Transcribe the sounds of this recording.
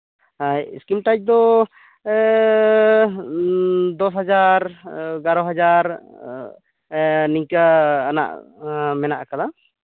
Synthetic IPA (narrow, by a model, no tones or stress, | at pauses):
ajskimʈajd͡ʒ̚d̪ɔ | d̪ɔs̬ɦad͡ʒaɾɡaɾɔɦad͡ʒaɾ | niɲkaːna̰ʔmɛnaʔkala